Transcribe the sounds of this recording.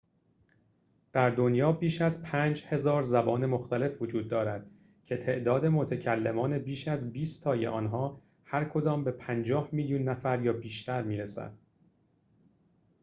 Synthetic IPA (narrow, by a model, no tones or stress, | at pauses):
d̪̥æɾd̪o̞njɒːbiːʃæzpʰæːnd͡ʒhe̞zɒːɾzæbɒːne̞mo̞xt̪ʰæle̞fvo̞d͡ʒuːd̪̚ːɒːɾæd̪̥ | cʰe̞t̪ʰe̞ʔd̪ɒːd̪e̞mo̞t̪ʰecʰælːemɒːne̞biːʃæzbiːst̪ʰɒːjḛʔɒːnɦɒː | hæɾkʰo̞d̪ɒːmbe̞pʰænd͡ʒɒːhmiljuːnːæfæɾjɒːbiːʃt̪ʰæɾmiːɾesæ̰d̪̥̚